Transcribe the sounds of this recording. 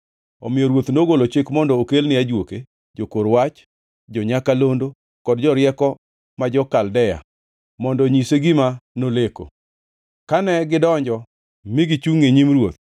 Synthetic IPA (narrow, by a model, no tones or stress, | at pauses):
ɔ̰mɪjɔɾwot̪noɡolot͡ʃɪkmɔndɔokelnɪad͡ʒwoke | d͡ʒokoɾwat͡ʃ | d͡ʒɔɲakalondo | kɔdd͡ʒɔɾjɛkɔ | mad͡ʒɔkaldɛja̰ | mɔndɔɲiseɡɪmanoleko̰ | kanɛɡɪdɔɲd͡ʒɔ | mɪɡɪt͡ʃuŋeɲimɾwot̪̚